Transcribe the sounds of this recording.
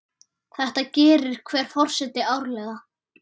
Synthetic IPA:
θɛht̪acɛːɾɪɾ̥kʰvɛːɾ̥fɔr̥sɛt̪ɪaːwɾlɛɣa

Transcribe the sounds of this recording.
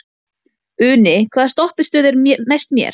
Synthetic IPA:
ʏːnɪkʰv̥aːðst̪ɔhpɪ̥st̪œːðɪɾnejst̪mjɛ̰ɾ̥

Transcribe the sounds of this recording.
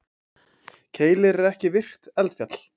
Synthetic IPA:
cʰeːjlɪɾɛɾɛhcɪvɪr̥t̪ɛlt̪fjat̪l̥

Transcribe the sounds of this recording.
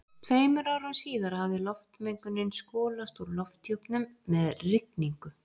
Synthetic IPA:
t̪ʰveːjmʏɾaːwɾʏmsiːðaɾhavðɪlɔft̪mejŋkʏnɪnskɔːlast̪uɾlɔft̪jowpnʏmːɛðrɪkniŋkʏ

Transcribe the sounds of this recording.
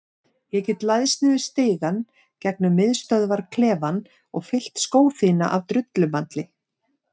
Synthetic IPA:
jɛcɛt̪lajðsɪːðɪ̥st̪eːjɣan | cɛk̚nʏmːɪðst̪œðvaɾ̥kʰlɛːvan | ɔɣfɪl̥t̪skoːwθiːna̰ʔavt̪ɾʏt̪lʏmant̪lɪ

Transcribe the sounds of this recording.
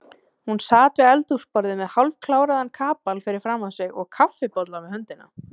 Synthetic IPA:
hunsaːt̪vɪðɛlt̪uspɔɾðɪmɛðhalvkʰlaːwɾaðankʰaːpalfɪɾɪɾ̥fɾaːmːasɪɣɔ̰ɣkʰafːɪpɔt̪lavɪðhœnt̪ɪnːa̰

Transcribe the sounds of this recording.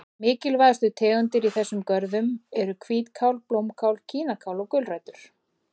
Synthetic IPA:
mɪːcɪlvajðst̪ʏt̪ʰɛːɣʏnt̪ɪɾiθɛsːʏmkœɾðʏmɛɾʏkʰviːt̪kʰawlplowmkʰawlcʰiːnakʰawlɔɣkʏlrajt̪ʏɾ̥

